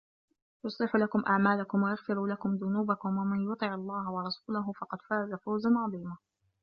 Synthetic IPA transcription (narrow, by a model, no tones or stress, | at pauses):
jʊsˤlɪħʊlakʊmʔaʕmaːlakʊmwajaɣfɪɾuːlakʊmðʊnuːbakʊmwamanjʊt̪ˤɨʕɑlˤːɑːɦawɑɾˤɑsuːlaɦʊfɑqɑd̪faːzafawzanʕɑðˤiːma